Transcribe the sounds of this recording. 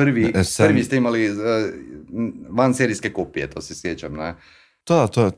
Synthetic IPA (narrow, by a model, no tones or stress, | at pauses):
pəɾʋiəɾʋist̪ɛimaliə | ʋanseɾiskɛkoːpiɛt̪oːsɛsɾeːt͡ʃɛmnɛ | t̪ot̪o